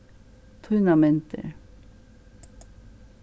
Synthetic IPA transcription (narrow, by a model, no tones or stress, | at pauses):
t̪ʰʉnamɛnt̪ʰə̰ɹ